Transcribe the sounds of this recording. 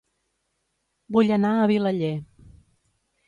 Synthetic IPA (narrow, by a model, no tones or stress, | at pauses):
buʎənaəβiləʎe